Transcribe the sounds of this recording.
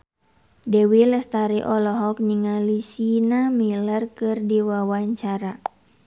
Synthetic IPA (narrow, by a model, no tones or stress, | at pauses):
dɛwilɛst̪aɾiʔɔlɔɦɔk̚niŋalisinamilərkɨrdiwawaɲt͡ʃaɾa